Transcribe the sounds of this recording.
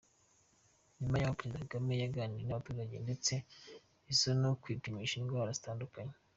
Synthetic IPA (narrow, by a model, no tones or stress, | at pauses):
nimajamapeɾezidakaɡame̞jaɡaniɾonaβatuːɾaɟe̞nde̞t͡se̞ | isonokwiːpimiʃinɡwaːɾazitaːndukaɲe